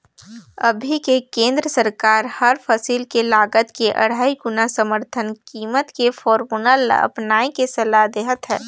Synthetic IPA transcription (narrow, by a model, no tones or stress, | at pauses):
ə̰bʱikekẽːnd̪ɾəsəɾkaːɾhəɾpʰəsiːlkelaːɡət̪keʔɐ̰ɽ̤aːiɡʊnasəməɾt̪ʰənkiːmət̪kefʰɔːɾmuːnəl̰ə̰pnaːikesɐlad̪eːɦət̪ɦɛː